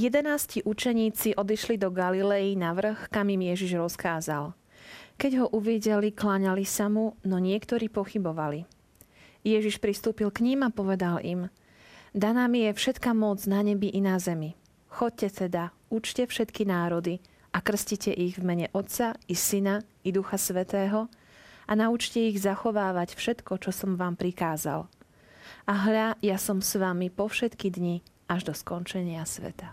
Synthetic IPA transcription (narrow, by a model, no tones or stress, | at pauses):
jɛd̪ɛnaːsciʔut͡ʃɛɲiːt͡siʔɔd̪iʃlid̪ɔɡalilɛjinaʋr̩xkamimjɛʒiʒɾɔskaːzal | kɛɟɦɔʔuʋiɟɛliklaɲalisamunɔɲɪɛkt̪ɔɾiːpɔxibɔʋali | jɛʒiʃpɾist̪uːpilkɲimapɔʋɛd̪alim | d̪anamijɛfʃɛt̪kamɔd͡znaɲɛbiʔinazɛmi | xɔc̚cɛt̪ɛd̪a | ut͡ʃcɛfʃɛt̪kinaːɾɔd̪i | akr̩scicɛʔiɣvmɛɲɛʔɔt̪t͡saisina | id̪uxasʋɛt̪ɛːɦɔ | anaut͡ʃcɛiɣzaxɔʋaːʋacfʃɛt̪kɔt͡ʃɔsɔmʋaːmpɾikaːza̰l | aɦʎajasɔmsʋamipɔfʃɛt̪kid̪ɲi | aʒd̪ɔskɔnt͡ʃɛɲɪasʋɛ̰t̪a